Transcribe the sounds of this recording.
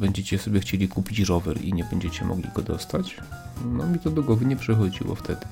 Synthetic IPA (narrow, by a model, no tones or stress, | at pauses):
bɛɲd͡ʑet͡ɕɛsɔbʲjɛxt͡ɕelʲikupʲit͡ɕɾɔvɛ̰ɾḭɲɛbɛɲd͡ʑet͡ɕɛmʔɔ̰ɡlʲḭɡɔd̪ɔst̪at͡ɕ | nɔmʲit̪ɔd̪ɔɡwɔvɘɲɛpʂɛxɔd͡ʑḭwɔ̰ft̪ʰɛd̪ɘ